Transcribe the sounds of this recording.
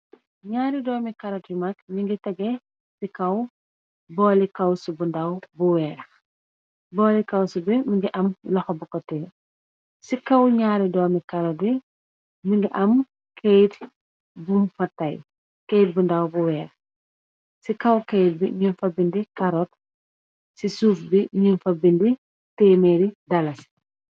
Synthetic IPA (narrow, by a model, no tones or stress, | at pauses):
ɲaːɾidɔːmikɐɾɔt̚jimɐk̚miŋɡitɐɡɛ | sikɐw | bɔːlikɐwsubundɐwbuwɛːɾ | bɔːlikɐwsubimiŋɡiʔɐmlɐxɔbukɔtɛː | sikɐwɲaːɾidɔːmikɐɾɔti | miɲɡiʔɐm | kʰejt | bumfɐtɐj | kejt̚bundɐwbuwɛːɾx | sikɐwkejt̚biɲunfɐbindikɐɾɔt̚ | sisuːfbiɲunfɐbindi | tɛmɛɾidɐlɐs